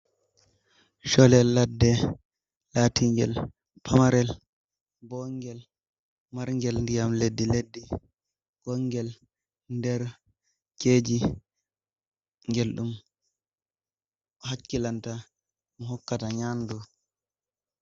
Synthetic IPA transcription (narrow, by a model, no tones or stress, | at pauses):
ʃɔlɛlːadːɛ | laːtiŋɡɛ̰l | pʰamaɾɛl | bɔŋɡɛl | maɾŋɡɛlndijamledːiledːi | ɡ̥ɔŋɡɛl | ndɛɾ | keːd͡ʒi | ŋɡelɗum | ɔɦakːilanta | mɔɦɔkːataɲandu